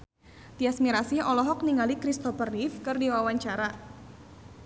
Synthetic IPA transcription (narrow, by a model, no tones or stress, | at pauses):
d̪iasmiɾasiɔlɔɦɔk̚niŋalikɾist̪ɔfərnifkɨrdiwawaɲt͡ʃaɾa